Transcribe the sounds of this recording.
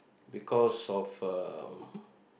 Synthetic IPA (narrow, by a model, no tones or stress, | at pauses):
bikʰɔsɔfə